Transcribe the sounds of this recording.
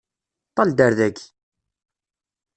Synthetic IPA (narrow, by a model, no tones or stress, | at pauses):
t̪ˤːɑld̪əɾðæɡ